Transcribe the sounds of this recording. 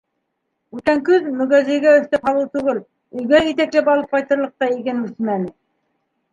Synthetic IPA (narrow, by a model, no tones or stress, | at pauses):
ʉk̪æŋkɵðmɵ̆ɣæzĭjɡæɵ̆θt̪æphɑlˠɤwt̪ʉɣɘl | ɵ̆jɡæit̪æklɘpɑlˠɤp̚qɑjt̪ɤ̆ɾlˠɤ̆q̚t̪ɑikænʉsmænɘ